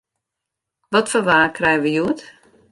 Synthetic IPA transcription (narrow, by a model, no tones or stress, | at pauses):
ʋɔtfɔʋaːkʰrɛjəʋəjuət